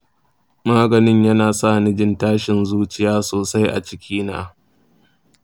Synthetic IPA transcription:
maː˦ɡɐ˨nɪ˦ɲjɐ˦naː˨sa˦˨nɪ˦d͡ʒɪ˦ntaː˦ʃɪ˨nzuː˦t͡ʃɪ˦jaː˦soː˨sa˦jʔa̰˨t͡ʃɪ˦kʲʰiː˦na̰ː˦

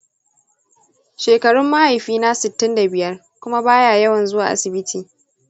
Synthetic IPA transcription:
ʃeː˨kɐ˨ɽʊ˦mːa˦ha˨jɸiː˦na˦sɪ˨tːɪ˦nda˨bɪ˨jɐ˦r | kʷʊ˦ma˦baː˦jaː˨jɐ˦wɐ˨nzʊ˦waː˨ʔa̰˦sɪ˨bɪ˦tʰiː˨

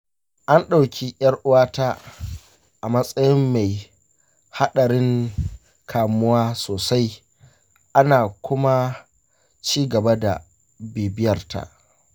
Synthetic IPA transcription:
ʔa˦nɗa˨wkʲʰi˦ʔʲj̰ɐ˦rʔʊ˦waː˦taː˦ | ʔa˨mɐ˦sʼɐ˦jɪ˦mːa˨j | ha˦ɗɐ˨ɾɪ˦ŋ | kʰaː˨mʊ˦waː˦soː˨sa˦j | ʔa˦naː˨kʷʊ˦ma˦ | t͡ʃiː˦ɡɐ˨ba˦da̰˨ | biː˨bɪ˦jɐ˨rta̰˦˨ʔ

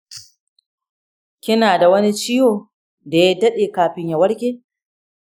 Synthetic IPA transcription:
kʲɪ˦naː˨da˨wɐ˦ni˦t͡ʃi˦joː˨ | da˨ja˦dɐ˦ɗeː˨kaː˨ɸɪ˦ɲja˨wɐ˦ɽkʲeː˦

